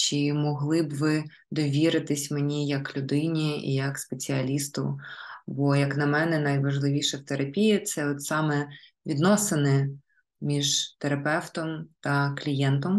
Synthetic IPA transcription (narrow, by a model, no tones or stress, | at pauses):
t͡ʃimɔɦlˠɪbʋɪ | d̪ɔʋʲiɾɪt̪ɪsʲmenʲijɐklʲʊd̪ɪnʲiḭjɐkspet͡sʲiɐlʲist̪ʊ̰bɔjɐknɐmɛnɛnɐjʋɐʒlˠɪʋʲiʃɛwt̪eɾɐpʲijit̪sɛɔt̪sɑmɛʋʲid̪nɔsenɛ | mʲiʒt̪eɾɐpɛwt̪ɔmt̪ɐklʲijɛnt̪ɔm